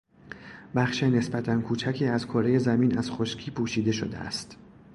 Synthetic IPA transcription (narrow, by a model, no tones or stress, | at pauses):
bæχʃene̞sbæt̪ʰænkʰuːt͡ʃʰæcʰiːæzkʰoːɾeje̞zæmiːnæz̥χoʃcʰiːpʰuːʃiːd̪e̞ʃo̰d̪ḛæ̰st̪